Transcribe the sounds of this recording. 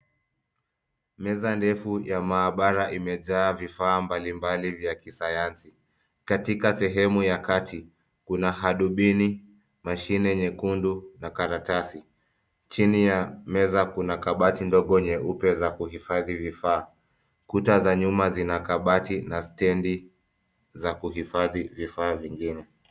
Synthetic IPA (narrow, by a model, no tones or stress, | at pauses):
mɛzandɛfujamaːɓaɾaʔimɛʄaːvifaːmbalimbalivjakisajansi | katikasɛɦɛmujakatʰi | kunaɦaɗuɓini | maʃinɛɲɛkundunakaɾatasi | t͡ʃinijamɛzakunakaɓatindɔɠɔɲɛupjɛzakuhifaðivifaː | kutazaɲumazinakaɓatinastɛndi | zakuɦifaðivifaːviŋɡinɛ